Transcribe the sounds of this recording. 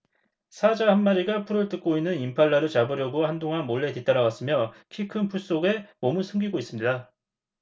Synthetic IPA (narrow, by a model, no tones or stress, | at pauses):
sʰad͡ʑahanːaɾiɡapʰuɾɯɭt͈ɯk̚k͈oinːɯnimpʰaɭːaɾɯt͡ɕabɯɾjʌɡohandoŋɦanmoɭːe̞tit͈aɾaɡas͈ɯmjʌkʰikʰɯnpʰuɭs͈oɡe̞mʌmɯnsʰɯŋɡiɡois͈ɯmɲida